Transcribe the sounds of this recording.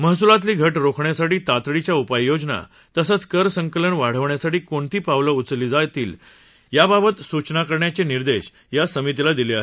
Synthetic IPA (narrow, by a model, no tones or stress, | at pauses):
məɦsulat̪̬liːɡʱəʈɾokʰɳjasaʈiːt̪at̪ɽit͡ɕjaupajːod͡ʑna̰ | t̪əsət͡skəɾsəŋkələɳʋaɽ̤əʋɳjasaʈiːkoɳt̪iːpaʋləut͡sliːd͡zajt̪iːl | jababət̪sut͡ɕnakəɾɳjat͡ɕeniɾd̪eɕ | jasəmit̪̬ilad̪ileaɦe